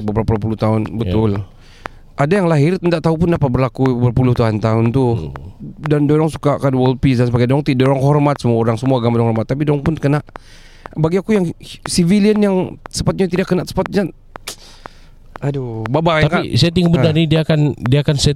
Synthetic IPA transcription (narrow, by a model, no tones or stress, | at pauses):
bəbɾapɾapulut̪aʊnbət̪ʊl | ʔadajaŋlaɦɪrt̪ənt̪aʔt̪aupʊndapat̪̚bərlakubərpulʊht̪aɦʊnt̪aɦʊnt̪u | dandoɾɔŋsu̥kakanwəl̚pis̬dansəbaɡajdoɾɔŋt̪idoɾɔŋɦɔrmat̪̚səmuaoɾaŋsəmuaːɡamadɔɾɔŋhɔrmat̪ːap̬idoɾɔŋpʊnkənaʔ | baɡiakujaŋsiviliənjaŋsəpat̪̚ɲat̪̬idaʔkːənaʔsəpat̪̚ɲa | adobabajaŋkasajat̪̬iŋɡabənanidiakandiakansɛ